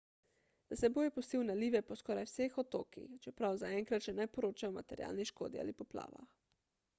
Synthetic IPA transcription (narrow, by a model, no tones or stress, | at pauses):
d̪̥asɛboːjɛpɔst̪iwnaliːʋɛpɔskɔːɾajwsexɔt̪oːkḭxt͡ʃɛpɾawzaɛŋkɾat̪ʃɛnajpɔɾoːt͡ʃajɔmat̪ɛɾja̰ːlniʃko̰ːd̪ia̰ːlipɔpla̰ːʋa̰x